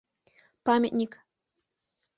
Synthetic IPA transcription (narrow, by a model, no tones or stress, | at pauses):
pamʲətʲnʲik